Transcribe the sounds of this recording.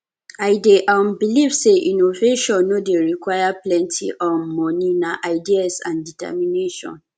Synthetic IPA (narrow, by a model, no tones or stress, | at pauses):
aɪdeʔam̩bilivseʔinoveʃɔ̃nːodeɹikwajaplɛ̃ntʰḭʔɔm̩mɔ̃nĩnaʔaɪdiasã̰nditɛ̰mĩneʃɔ̰̃n